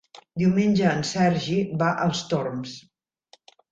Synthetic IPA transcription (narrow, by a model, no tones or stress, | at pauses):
d̪iwmenʲʒəːnsɛɾʒiβaʔəlˠst̪oɾms